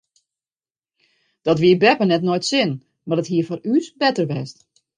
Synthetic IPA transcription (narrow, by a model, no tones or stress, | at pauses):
d̥ɔtʋiəbɛpənɛtnojtsɪn | madətɦiəfɔrysbɛtərʋɛst